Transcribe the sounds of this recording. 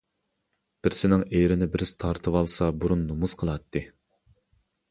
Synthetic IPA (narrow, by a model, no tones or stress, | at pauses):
b̥ɪɾsɪnɪŋejɾɪnɪbɪɾɪst̪ʰɑɾt̪ʰɨwɑlˠsɑbuɾunːumuz̥qʰəlˠɑt̪ʰːɨ